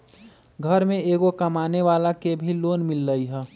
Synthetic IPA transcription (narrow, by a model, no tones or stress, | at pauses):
ɡʱəɾmẽeːɡokɐmaːneʋaːlakebʱiloːnmɪlːəiɦɛː